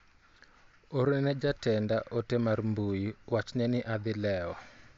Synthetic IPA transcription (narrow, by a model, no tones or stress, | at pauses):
oɾnɛnɛd͡ʒatɛndaʔotɛmarmbujiwat͡ʃnɛnɪʔad̪ɪlɛɔ